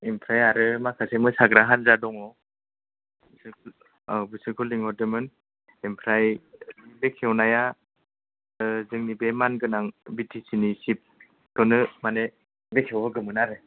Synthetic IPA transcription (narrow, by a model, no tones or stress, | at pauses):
impʰɾajaɾɯmakʰasemɯsaɡɾaɦanzadɔŋɔ | bsɯk | bisɯkʰuliŋɔdɯmɯn | impʰɾajibekʰewnaja | zɯŋnibemanɡɯnaŋbitʰisinisip̚ | tɔnɯmane | bekʰewɔɡɯmɯnaɾɯ